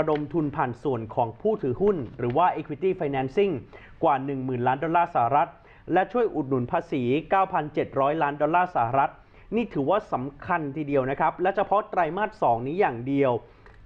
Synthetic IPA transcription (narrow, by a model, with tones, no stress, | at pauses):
a˧do˧mt̪ʰu˧npʰaː˨˩nsu˨˩ənkʰɔː˩˦ŋpʰuː˥˩t̪ʰɯː˩˦hu˥˩nɾɯː˩˦waː˥˩ʔeː˧kʰwi˦˧t̪iː˥˩fa˧jnɛː˧˥nsi˥˩ŋ | kwaː˨˩nɯ˨˩ŋmɯː˨˩nlaː˦˥ndɔ˧nlːaː˥˩saː˨˩ha˨˩ɾa˦˥t̪̚ | lɛ˦˥t͡ɕʰu˥˩əjʔu˨˩t̪̚nu˩˦npʰaː˧siː˩˦kaː˥˩wpʰa˧nt͡ɕe˨˩t̪̚ɾɔː˦˥jlaː˦˥ndɔ˧laː˥˩sa˧˩ha˨˧ɾa˦˥t̪̚ | niː˥˩t̪ʰɯː˩˦waː˥˩sa˩˦mkʰa˧nt̪ʰiː˧˩di˧əwna˦˥kʰa˦˥p̚lɛ˦˥wt͡ɕʰa˧pʰɔ˦˥t̪ɾa˧jmaː˥˩t̪̚sɔː˩˦ŋniː˦˥jaː˨˩ŋdi˧əw